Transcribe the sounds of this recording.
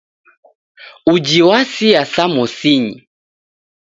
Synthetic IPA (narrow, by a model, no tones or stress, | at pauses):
ud͡ʒiwasiasamɔsiɲḭ